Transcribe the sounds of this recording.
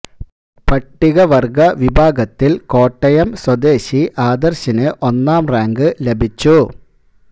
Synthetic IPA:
pɐʈːiɣɐʋɐrɡɐʋibʱaːɡɐt̪ːilko̞ːʈːɐjɐmswɐd̪eːɕiʔaːd̪ɐrɕɐnɨʔonːaːmraːŋɡɨlebʱit͡ɕːu

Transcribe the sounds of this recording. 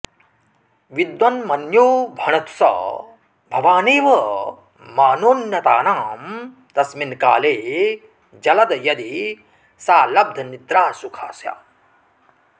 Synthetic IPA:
ʋid̪ʋɐnmɐnjoːbʱɐɳɐt̪u̥sɐ̰ | bʱɐʋaːneːʋɐ | maːnoːnjɐt̪aːnaːm | t̪ɐsminka̰ːleː | d͡ʒɐlɐd̪ɐjɐd̪i | saːlɐb̚d̪ʱɐnit̪ɾaːsukʰaːsja̰ː

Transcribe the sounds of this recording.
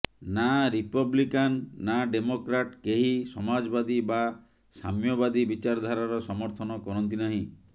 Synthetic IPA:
naɾipɔblikanːaɖemokɾaʈkeɦisɔmad͡ʒɔbad̪iba | sa̰mjɔbad̪ibit͡ʃaɾd̪ʱaɾaɾɔsɔmɔɾt̪ʰɔnɔkɔɾɔnt̪inaɦĩ

